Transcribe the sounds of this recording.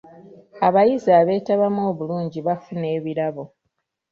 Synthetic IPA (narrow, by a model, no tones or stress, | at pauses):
aβajiziaːβe̞ːtaβamoːβuluːɲɟiβafune̞ːβiɾaβo̞